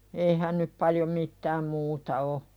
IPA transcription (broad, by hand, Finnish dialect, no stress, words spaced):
eihæn nyp pɑljo mitːæːm muːtɑ o